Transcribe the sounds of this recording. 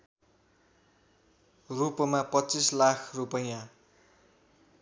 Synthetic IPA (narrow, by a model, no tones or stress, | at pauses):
rupʌmapʌtːt͡sislakʰrupʌjã